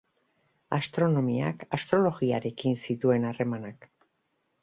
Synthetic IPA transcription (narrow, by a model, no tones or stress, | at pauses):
ast̪ɾo̞no̞mia̰kast̪ɾo̞lo̞ɣiaɾe̞kinsit̪ue̞nare̞manak